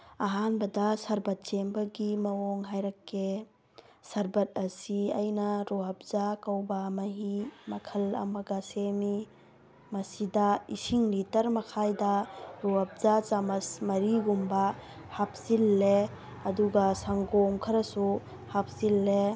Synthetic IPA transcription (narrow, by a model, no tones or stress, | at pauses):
aɦanbɐdɐsɐɾbɐt̚t͡ʃembɐɡimɐoŋɦajɾɐkːe | sɐɾbɐt̚ɐsiɐjnɐɾuɦɐp̚zakawbamɐɦimɐkʰɐlɐ̰mɐɡasemi | mɐsidɐisiŋlitɐɾmɐkʰajdɐɾuɦɐp̚zat͡ʃamɐsmɐɾiɡumba | hap̚silːe | ɐduɡɐsaŋɡomkʰɐɾɐsu | hap̚silːe